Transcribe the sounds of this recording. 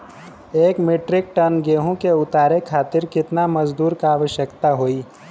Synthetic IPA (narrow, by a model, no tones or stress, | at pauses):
eːkmeːʈɾɪk̚ʈənɡeːɦõkeʊt̪aːɾekʰaːt̪ɪɾkɪt̪namɐzd̪uːɾkaaːʋəʃjəkt̪aɦoːiː